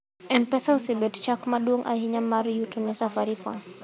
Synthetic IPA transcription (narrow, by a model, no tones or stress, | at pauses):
ʔɛnpɛsawsibɛtt͡ʃakmaɗuoŋʔa̰hiɲamːaɾjutunisafaɾipɔ̰n